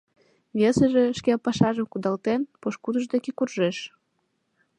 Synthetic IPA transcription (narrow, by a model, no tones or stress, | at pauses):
βesəʒĕʃkepɑʃɑʒəmkud̪ɑlt̪enpoʃkud̪əʒd̪ekekurʒeʃ